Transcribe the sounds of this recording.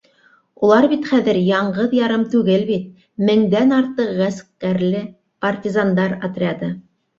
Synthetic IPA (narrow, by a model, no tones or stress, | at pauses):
ulˠɑɾbit̪χæðɘɾjɑɴɢɤðjɑɾɤmt̪ʉɡɘlbit̪̚ | mɘ̆ŋd̪ænɑɾt̪ɤqʁæskkæɾlɘ | pɐrtʲizand̪ɑɾɑt̪rʲad̪ɤ